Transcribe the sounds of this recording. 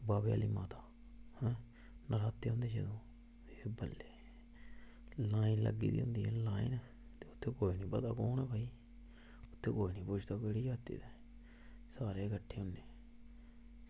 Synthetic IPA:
baːbeja̰ːliːmaːt̪aː | hɛ̃ː | nəɾaːt̪ːeːɦʊ̃nd̪eːd͡ʒə̰d̪õː | eːbəlːeː | laːinlə̰ɡḭːd̪ḭːʊ̰̃nd̪iːɛːlaːḭnɛ | t̪eːʊt̪ʰːeːkoːiːnĩːpət̪a̰ːkoːnɛ̃ːpaːiː | ʊt̪ʰːeːkoːiːnĩːpʊt͡ʃʰd̪aːkəɽiːd͡ʒaːt̪ḭːd̪eː | saːɾeːkəʈʰːeːʊneː

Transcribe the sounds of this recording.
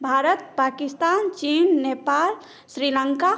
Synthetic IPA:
bʱaːɾət̪̚pakist̪ant͡ʃinːepaːl | sɾiləŋka

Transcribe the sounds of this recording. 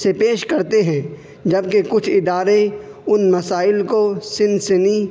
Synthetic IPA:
sepeːʃkɐɾt̪eɦɛ̃ː | d͡ʒɐbkekʊt͡ʃʰɪd̪aːɾe | ʊnmɐsaːɪlkosɪ̃nsɪni

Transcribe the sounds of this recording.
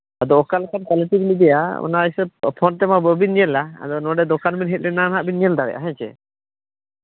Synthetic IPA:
ad̪ɔɔkalkankaliʈibilid̪ɛja̰mɔ̰na̰isəb̚pʰɔnt̪ɛmabɔbinɲɛlaa̰d̪ɔnɔɖɛd̪ɔkanbinɦɛt̪̚ˀlɛnanɦaʔbinɲɛld̪aɾɛ̰ʔaɦɛ̃t͡ʃɛ̰

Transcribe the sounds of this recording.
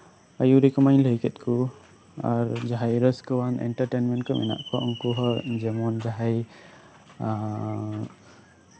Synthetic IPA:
ajuɾikɔmaɲləɦikɛt̪̚kʰu | a̰ɾd͡ʒaɦajɾəskəwanɛ̰ɳʈəɾʈɛnmɛ̃nʈkəmʔɛ̰na̰ʔkɔʔɔŋkuɦɔd͡ʒɛmɔnd͡ʒaɦaj

